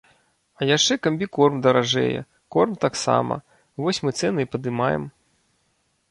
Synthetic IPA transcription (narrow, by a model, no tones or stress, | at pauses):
ɐjaʂt͡ʂɛkɐmʲbʲikɔrmd̪ɐɾaʐɛ̰jɛ̰ | kɔrmt̪aksa̰mɐ̰ | vɔsʲmɨt̪sɛnɨipɐd̪ɨmajɛ̰m